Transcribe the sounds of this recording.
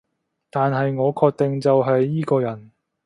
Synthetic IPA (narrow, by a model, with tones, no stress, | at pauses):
t̪aː˨nɦɐ˨jŋɔː˨˧kʰɔː˧k̚t̪ɪ˨ŋt͡sɐ˨wɦɐ˨jːiː˥kɔː˧jɐ˨˩n